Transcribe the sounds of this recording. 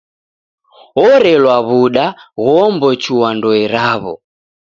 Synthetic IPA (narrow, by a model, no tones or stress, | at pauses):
ɔɾɛlwaβuɗaɣɔmbɔt͡ʃiwandɔɛɾaβɔ̰